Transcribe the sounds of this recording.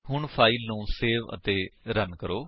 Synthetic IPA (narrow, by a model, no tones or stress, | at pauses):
ɦʊɳpʰaːiːnũːseːʋə̰t̪eːɾənkəɾoː